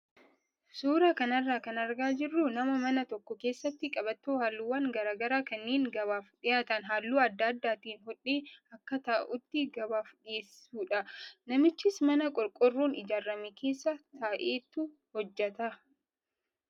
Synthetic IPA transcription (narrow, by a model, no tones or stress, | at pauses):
suːɾɐkɐnɐrːaːkɐnɐɾɡaːd͡ʒɪrːʊnɐmɐmɐnɐt̪ɔkːɔke̞ːsːɐt̪ːɪkʼɐbɐt̪ːoːhaːlːuːwɐŋɡɐɾaːɡɐɾaːkɐnːeːŋɡɐβaːfᶑɪjaːt̪ɐnɦaːlːuːɐd̪ːɐːd̪ːaːt̪iːnɦɔᶑeːɐkːɐt̪aːʔʊt̪ːɪɡɐbaːfᶑeːs | uːᶑɐnɐmɪt͡ʃːɪsmɐnɐkʼɔɾkʼɔrːuːnɪd͡ʒaːrːɐmekʰe̞ːsːɐt̪aːʔe̞ːt̪ːʊ | hɔd͡ʒːɛt̪ɐ